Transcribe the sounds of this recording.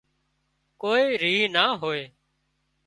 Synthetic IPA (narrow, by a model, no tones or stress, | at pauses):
koːiːɾiːnaːɦoːeː